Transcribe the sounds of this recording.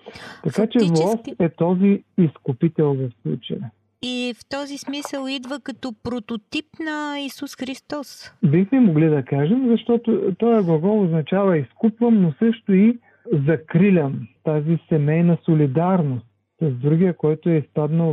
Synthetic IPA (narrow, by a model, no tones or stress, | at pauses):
t̪ɐkat͡ʃɛvlˠɔsɛt̪ɔziːskʊpit̪ɛlˠvɐfslˠṵt͡ʃəjə | ift̪ɔzismisəlˠid̪vəkɐt̪ɔpɾot̪ot̪ipnɐisusxɾist̪ɔsbixmɛmoɡlid̪ɐkaʒɛmzɐʃt̪ɔt̪ʊt̪ɔjɐɡlˠɐɡɔlˠoznɐt͡ʃavɐiskupvəmnosɤʃt̪ʊi | zɐkɾilʲəmt̪azisɛmɛjnɐsʊlid̪aɾnost̪sɐzd̪ɾuɡʲiəkɔjt̪ʊɛispad̪nəlˠ